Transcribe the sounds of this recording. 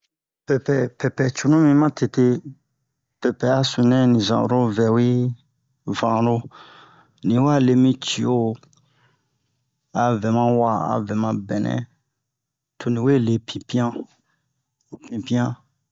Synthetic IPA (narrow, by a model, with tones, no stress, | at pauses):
pɛ˨pɛ˨pɛ˨pɛ˨t͡ʃu˨nũ˦mĩ˦mã˦tʰe˨te˦ | pɛ˨pɛ˨a˦sũ˨nɛ̃˦nĩ˨zã̰˨ɾo˦vɛ˨wi˦ | vã˨ɾo˦ | nĩ˨wa˦le˧mĩ˦t͡ʃi˨o˦ | a˨vɛ̃˨mã˦wa˨a̰˨vɛ̃˨mã˧bɛ˨nɛ̰̃˦ | tʰo˨nĩ˨we˦˨le˨pʰĩ˨pĩ˦ã˦˨ | pĩ˨pĩ˦ã˦